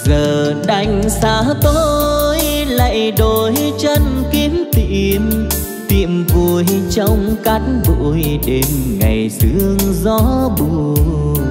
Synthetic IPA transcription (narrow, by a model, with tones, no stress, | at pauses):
zəː˨˩ɗa˧˩jŋ̟saː˨˧˦t̪o˧jlə̰˧˨jɗo˧˩jt͡ɕə˧nki˧˦əmt̪ḭ˧˩əm | t̪ḭ˧˨əmvu˧˩əjt͡ɕə˧wŋ͡mka˨˦jt̚vṵ˧˨jɗe˧˨˦nŋa˨˩jzɨ˧˦əŋzɔ˨˧˦ɓu˧˩